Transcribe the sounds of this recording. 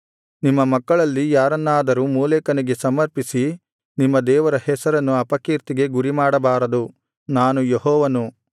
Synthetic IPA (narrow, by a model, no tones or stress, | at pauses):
nimːɐmɐkːɐɭɐlːijaːɾɐnːaːd̪ɐɾumuːleːkɐniɡe̞sɐmɐɾpisi | nimːɐd̪ɛːʋɐɾɐhɛsɐɾɐnːuɐpɐkiːɾt̪iɡe̞ɡuɾimaːɽɐbaːɾɐd̪u | naːnujeɦɔːʋɐnu